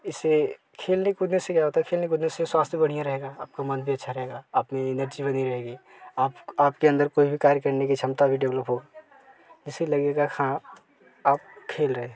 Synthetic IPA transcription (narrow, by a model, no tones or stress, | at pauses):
ɪse | kʰeːlnekʊd̪nesekjaɦoːt̪aɛkʰeːlnekʊd̪neseswaːst̪ʰebɐɽ̤ijãɾɐɦeɡaaːp̚kamɐnbʱiɐtːʃʰaɾɐɦeɡaaːpmẽɪnəɾd͡ʒibɐniɾɐɦeːɡiː | aːpaːp̚keɐ̃nd̪əɾkoːibʱikaːɾjəkəɾnekit͡ʃʰɐmt̪abʱiɖeʋləpɦoːɡaː | d͡ʒɪselɐɡeɡakʰã | aːp̚kʰeːlɾəɦẽː